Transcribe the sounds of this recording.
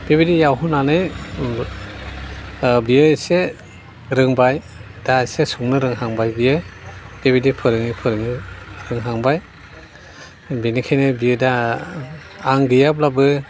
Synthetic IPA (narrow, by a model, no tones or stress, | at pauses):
b̥ebidijawɦunanɯj | bijɯse | ɾɯŋbaj | dasesuŋnɯɾɯŋɦaŋbajbijɯb̥ebidipʰɯɾɯŋipʰɯɾɯŋɯɾɯŋɦaŋbaj | binikʰajnɯbijɯda | aŋɡɯjab̚labɯ